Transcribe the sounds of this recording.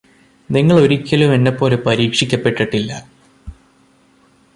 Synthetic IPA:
niŋːɐɭo̞ɾikʲːɐlume̞nːepːo̞ːle̞pɐɾiːkʂikʲːɐpːe̞ʈːiʈːilːɐ

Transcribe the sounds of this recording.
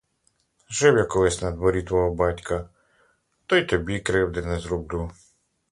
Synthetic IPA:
ʒɪwjɐkɔlˠɪsʲnɛd̪ʋɔɾʲit̪ʋɔɦɔbɑtʲkɐ | t̪ɔjt̪ɔbʲikɾɪwd̪ɪnɛzɾʊbd̪u

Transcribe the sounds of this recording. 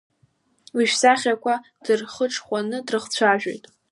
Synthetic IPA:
wiʃsaχʲakʷʰa | d̥ɨrχəʈ͡ʂʰʼχʷanɨdrɨχt͡sʷʰaʒᶣo̰jtʼ

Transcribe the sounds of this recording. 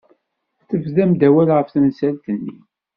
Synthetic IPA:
θəvðæmd̪æwælʁəfθənsælt̪ənːḭ

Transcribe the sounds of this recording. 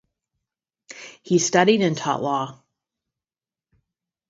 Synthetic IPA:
histʌɾiɾɨ̃ntʰɑ̰ʔlɔ

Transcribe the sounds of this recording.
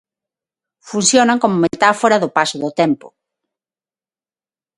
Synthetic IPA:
funsjonaŋkomʊmet̪afoɾaðʊpasʊðʊt̪ɛmpʊ̰

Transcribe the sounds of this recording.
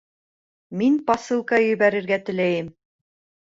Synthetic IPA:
minpɑsɨlˠkɑjɵ̆jβæɾɘ̆ɾɡæt̪ɘ̆læjɘm

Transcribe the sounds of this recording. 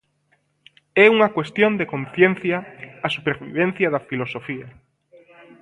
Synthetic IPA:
ɛuŋɐkwest̪jõnd̪ekonθjen̟θjɐasupeɾβḭβ̞ẽn̟θjɐðɐfilosofiɐ

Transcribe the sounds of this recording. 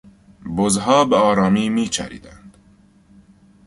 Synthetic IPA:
bozɦɔːbeɒːɾɑːmiːmiːt͡ʃʰæ̰ɾḭːd̪ænd̪̥

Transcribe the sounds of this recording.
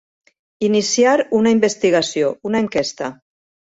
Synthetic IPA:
inisiaɾunaimbest̪iɣasiounaeŋkɛst̪ə

